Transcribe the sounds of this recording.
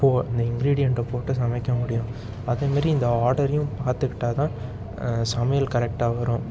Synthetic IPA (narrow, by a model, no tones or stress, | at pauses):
pːoːɪnd̪ɐɪŋɡɾiːɽɪjɛɳʈɐpoːʈːɯsɐmɐkːɐmʊɽɪjʊ̃ | ɐðeːmaːd̪ɾiɪnd̪ɐaːɾɽɐɾjʊ̃paːɾt̪ɯkːɪ̥ʈːaːt̪ãː | sɐmɐjɐlkɐɾɛk̚ʈaːʋɐɾʊ̃